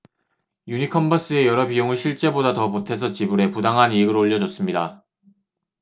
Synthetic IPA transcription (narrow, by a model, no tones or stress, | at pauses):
juɲikʰʌmbas͈ɯe̞jʌɾʌbijoŋɯɭɕʰiɭt͡ɕ͈e̞bodatʌmotʰe̞sʰʌt͡ɕibuɾe̞pudaŋɦaniɡɯɾoːʎːʌd͡ʑʌs͈ɯmɲida